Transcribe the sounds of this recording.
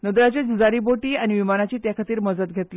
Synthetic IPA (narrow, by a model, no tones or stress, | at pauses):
nəd̪ɾat͡ɕed͡ʑud͡zaɾiboʈiːañiʋimanat͡ɕiːt̪jakʰat̪iːɾməd͡zət̪̚ɡʱet̪l